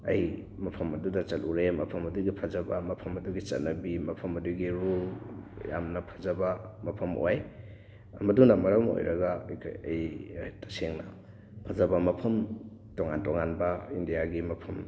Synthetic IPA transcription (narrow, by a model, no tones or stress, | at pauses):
ɐ̰j | mɐpʰɐmɐdudɐt͡ʃɐlʔuɾemɐpʰɐmɐduɡipʰɐzɐbɐmɐpʰɐmɐduɡit͡ʃɐ̰t̚nɐbimɐpʰɐmɐduɡiɾulja̰mnɐpʰɐzɐbɐmɐpʰɐmʔo̰j | ɐmɐduŋndɐmɐɾɐmo̰jɾɐɡɐkʰɐ̰jtɐ̥seŋnɐ | pʰɐzɐbɐmɐpʰɐmtoŋantoŋanbɐindijaɡimɐpʰɐm